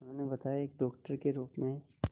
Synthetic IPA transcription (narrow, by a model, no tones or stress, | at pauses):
nõnebɐt̪ajaeːkɖɔːk̚ʈəɾkeɾuːpmẽ